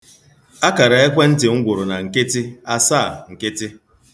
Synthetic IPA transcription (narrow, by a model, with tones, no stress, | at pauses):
a˦ka˨ɾa˨e˦kʷe˦n̩˦tɪ˨ŋ̩˦ɡʷʊ˨ɾʊ˨na˨ŋ̩˨kɪ˦tɪ˦a˦sa˦˨ŋ̩˨kɪ˦tɪ˦